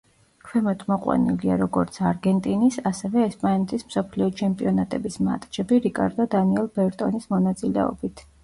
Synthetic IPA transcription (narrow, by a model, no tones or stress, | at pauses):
kʰwɛmɔt̪ʰmɔqʼwa̰nḭliaɾɔɡɔɾt̪sʰaɾɡɛnt̪ʼinisasɛvɛːspʼanɛt̪ʰismsɔpʰliɔt͡ʃʰɛmpʼiɔnat̪ʼɛbisma̰t̪ʼd͡ʒɛbiɾikʼa̰ɾd̪ɔd̪aniɛlˠbɛɾt̪ʼɔnismɔnat̪sʼilɛ̰ɔ̰bit̪ʰ